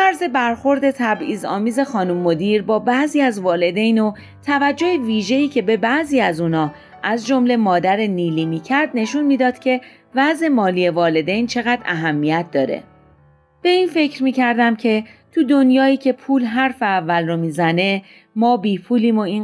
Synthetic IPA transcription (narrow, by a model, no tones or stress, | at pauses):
fæɾze̞bæɾxo̞ɾd̪e̞t̪ʰæbiːzɒ̰ːmiːze̞xɒːnumːo̞d̪iːɾbɒːbæʔziːæzvɒːle̞d̪ejno̞ | t̪ʰævæd͡ʒːo̞heviːʒe̞iːcʰe̞be̞bæʔziːæzuːnɒː | ʔæzd͡ʒo̞mle̞mɒːd̪æɾeniːliːmiːcʰæɾd̪ne̞ʃunmiːd̪ɒːd̪̥cʲʰe̞ | væze̞mɒːliːe̞vɒːle̞d̪e̞jnt͡ʃʰe̞ɣæd̪æɦæmːijæt̪̚ʰd̪ɒːɾe̞̰ | b̥e̞iːnfe̞cʰɾmiːcʰæɾd̪æmcʰe̞t̪ʰud̪o̞njɒːiːcʰe̞pʰuːlɦæɾfe̞ævːælromiːzæne̞ | mɒːbiːpʰuːliːmo̞in